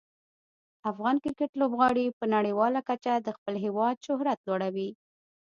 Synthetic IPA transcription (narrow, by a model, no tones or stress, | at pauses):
afɣɑnkɪɾkeʈlobɣɑɽipənaɽejwɑlakat͡ʃad̪əxpəlɦewɑd̪ʃʊɦɾat̪lwɑɽawi